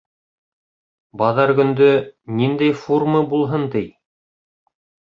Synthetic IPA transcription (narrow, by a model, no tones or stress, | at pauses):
bɑðɑɾɡɵ̆nd̪ɵnind̪æjfurmɤbulˠɦɤnt̪ɘj